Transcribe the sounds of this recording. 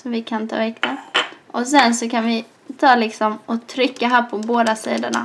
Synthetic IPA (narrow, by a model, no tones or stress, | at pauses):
sɔvɪkʰant̪ʰɑ̰ːɛkt̪aʔɔs̬ɛnsɔkʰanvɪ | t̪ʰɑːlɪksɔmɔt̪ʰɾʏkːaɦæːpʰɔboːd̪asiːd̪əɳa̰